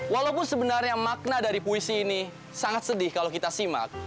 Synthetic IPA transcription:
walaupʊnsəbənarɲamak̚nadaɾipuisiːni | saŋat̪sədɪhkalowkit̪asima̰k̚

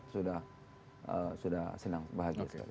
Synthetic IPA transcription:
suda | suda̰sənaŋbaɦaɡiaska̰l

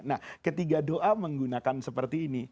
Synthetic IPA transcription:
nahkət̪iɡadoʔaməŋɡunakansəpərt̪iːni

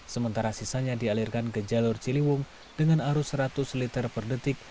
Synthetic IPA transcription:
səmənt̪aɾasisaɲadialirkankəd͡ʒalʊrt͡ʃiliwʊŋ | dəŋanaɾʊsɾat̪ʊslit̪ərpərdət̪ɪk̚

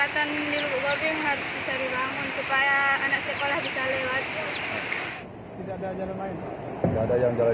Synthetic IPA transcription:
at̪an | dilubuʔɡobiŋɦaɾʊsbisadibaŋʊnsupajaːnak̚sekolahbisalewat̪̚ja | t̪idaadad͡ʒalanmaɪnpa | t̪idaadajaŋd͡ʒala

